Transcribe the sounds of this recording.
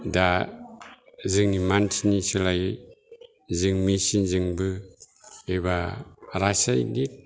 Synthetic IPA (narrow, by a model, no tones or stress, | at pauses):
da | zɯŋnimantʰinisɯlaj | zɯŋmisinzɯŋbɯ | eβaɾasajnit̚